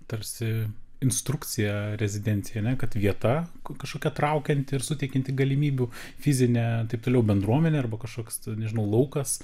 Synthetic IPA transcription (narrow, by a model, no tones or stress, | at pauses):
t̪ɐɾʲsʲɪɪnst̪ɾʊkt͡s̪ʲɪjɛɾʲɛzʲɪd̪ʲɛnʲt̪t͡s̪ʲsʲɪjɛɐnʲɛkɐt̪ʋʲiɛt̪ɐkɐʃkoːkʲɛt̪ɾɐʊkʲɛnʲt̪ʲɪɪɾsʊt̪ʲɛɪkʲɛnʲt̪ʲɪɡɐlʲɪmʲiːbʲufʲɪzʲɪnʲɛt̪ɐɪp̚t̪oːlʲɛʊbʲɛnd̪ɾuɔmʲɛnʲɛɐrbɐkɐʃkoːkʲsnʲɛʒʲɪnɐʊlˠɐʊkɐs